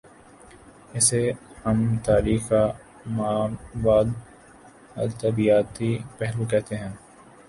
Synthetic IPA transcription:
ɪsehɐmt̪aːɾiːxa | maːbaːl | ɐ̰ɾt̪ɐbijaːt̪ipɛɦlokɛɦt̪eɦɛ̃ː

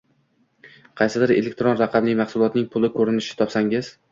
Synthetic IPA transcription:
qʰɑjsɪd̪ɪɾḛlek̚ʲt̪ɾonɾɑqʰɑblɪmɑχsʊlˠɒt̪nɪŋpʰʊlɪkʰɵɾɪnɪʃɪ̥t̪ʰɒpsaŋɪz̥

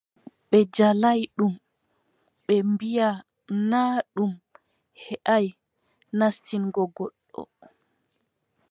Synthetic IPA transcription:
ɓɛd͡ʒalajɗum | ɓɛmbija | naːɗum | hɛʔaj | nastinɡɔɡɔɗːɔ̰

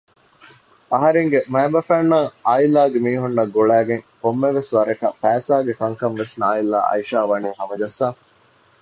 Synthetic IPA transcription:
ɐɦɐɾeŋɡemæːmɐfæːnːɐŋaːilaːɡemiːɦunːɐɡoɭæːɡeŋkomːeʋesʋɐɾɐkɐfæːsaːɡekɐŋkɐmʋesnaːila̰ːʔɐ̰iʃaːʋɐniːhɐmɐɡɐsːaːɐ

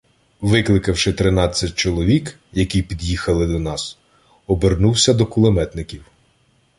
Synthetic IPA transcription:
ʋɪklˠɪkɐwʃɪt̪ɾɪnɑt͡sʲːɐt̚ʲt͡ʃɔlˠɔʋʲik | jɐkijpʲid̪jixɐlˠɪd̪ɔnɑs | ɔbernuwsʲɐd̪ɔkʊlˠemɛt̪nɪkʲiw

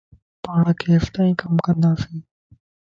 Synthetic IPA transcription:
paːɳkʰeːft̪aːĩːkəmkə̃nd̪aːsĩː

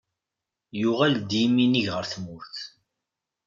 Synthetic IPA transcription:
jʊʁæld̪iminiʝʁəɾθmʊɾθ

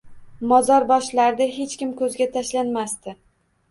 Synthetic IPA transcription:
mɒzɒɾbɒʃlaɾd̪aɦe̞t͡ʃkʲɪmkʰɵzɡʲat̪ʰaʃlanmast̪ɪ

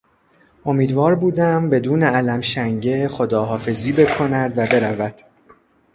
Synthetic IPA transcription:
ʔo̞miːd̪vɒːɾbuːd̪æmbe̞d̪uːne̞ælæmʃæŋɟe̞χo̞d̪ɒːɦɒːfe̞ziːbe̞kʰo̞næd̪væbe̞ɾævæd̪̥

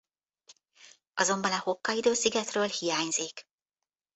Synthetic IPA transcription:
ɒzo̞mbɒnɒho̞kːɒid̪øːsiɡɛt̪røːlhijaːɲziːk

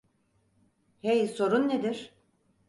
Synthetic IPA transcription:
hejso̞ɾunːed̪iɾ̥

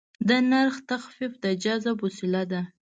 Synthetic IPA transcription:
d̪ənaɾxt̪axfifd̪əd͡ʒɑzabʊsɪlad̪a

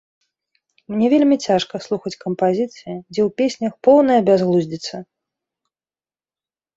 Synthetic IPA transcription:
mnʲɛvʲelʲmʲit͡sʲaʂkɐslˠuxɐt͡sʲkɐmpazʲit̪sɨjid͡zʲɛwpʲesʲnʲɐxpɔwnɐjɐbʲazɣlˠuzʲd͡zʲit̪sːɐ

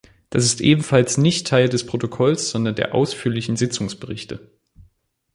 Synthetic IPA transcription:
d̥asɪstʔeːbm̩falsnɪçtʰːaɪldɛspʁ̥otokʰɔlsz̥ɔndɐndeːɐʔa̰ʊsfyːɐlɪçn̩zɪt͡sʊŋsb̥əʁɪçtə̰

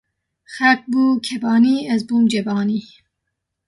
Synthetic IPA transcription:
xɛlk̚buːkʰɛbɑːniːɛzbuːmd͡ʒɛbɑːniː

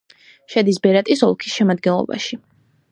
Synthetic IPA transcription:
ʃɛd̪isbɛɾat̪ʼisɔlˠkʰisʃɛmad̪ɡɛnlˠɔ̰ba̰ʃi

